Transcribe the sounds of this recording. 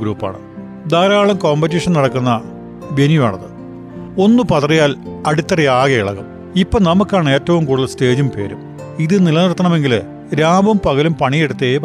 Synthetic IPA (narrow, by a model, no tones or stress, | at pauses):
ɡɾuːpːa̰ːɳɨ̰ | d̪aːɾaːɭɐmko̞ːmbɐtiʂɐnnɐɽɐkːunːɐ | benjua̰ːɳɐðɨ | o̞nːupɐt̪rɐjaːlɐɽit̪ːɐrɐjaːɣɐiɭɐ̰ɣɐm | ipːonɐmukːaːɳɨe̞ːtːɐʋumkuːɽilːɐste̞ːd͡ʑumpe̞̰ːɾum | iðɨnilɐnɐrt̪ːɐɳɐme̞ŋɡil | ɾaːbɐmpɐɣɐlumpɐɳijeɽut̪ːeːp